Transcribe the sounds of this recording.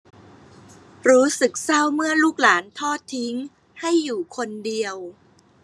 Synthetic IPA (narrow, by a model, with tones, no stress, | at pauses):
ɾuː˦˥sɯ˨˩k̚sa˥˩wmɯ˥˩əluː˥˩k̚laː˩˦nt̪ʰɔː˥˩t̪ʰːi˦˥ŋ | ha˥˩jːuː˨˩kʰo˧ndi˧əw